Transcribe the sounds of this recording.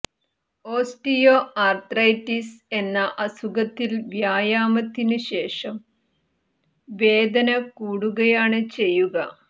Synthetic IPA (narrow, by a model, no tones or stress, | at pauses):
o̞ːsʈijoːaːrt̪rɐjtːise̞nːɐʔɐsuɡɐt̪ːilʋjaːjaːmɐt̪ːinɨɕe̞ːʂɐm | ʋe̞ːd̪ʱɐnɐkuːɽuɣɐjaːɳɨt͡ɕe̞jːuɣɐ